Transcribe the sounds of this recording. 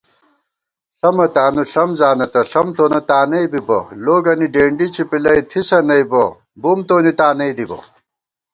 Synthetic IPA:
ɬɐmɐt̪aːnuɬɐmzaːnɐt̪ɐɬɐmt̪oːnɐt̪aːnɐjbibɐ̰loːɡɐniɖeːɳɖit͡ɕʰipilɐjt̪ʰisɐnɐibɐ | bumt̪oːnit̪aːnɐjd̪ibɐ̰

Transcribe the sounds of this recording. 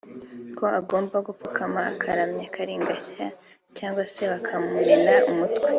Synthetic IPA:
kʰo̞ʔaɡo̞ːmbaɡupukʰamaːkʰaɾamɲakʰaɾiːŋɡaça | caːŋɡwase̞βakʰamuɾinaumutwe

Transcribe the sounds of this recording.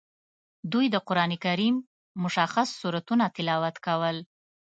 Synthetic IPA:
d̪ujd̪əqʊɾɑnikaɾimː | ʊʃaxasːuɾat̪unat̪ɪlɑwat̪kawəl

